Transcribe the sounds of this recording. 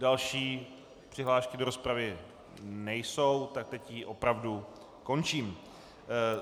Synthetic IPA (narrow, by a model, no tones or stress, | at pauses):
dalʃiː | pr̥ɪɦlaːʃkɪdo̞ɾo̞spɾavɪ | nɛjso̞wt̪ak̚t̪ɛcjiʔo̞pɾavdu | ko̞nt͡ʃiːm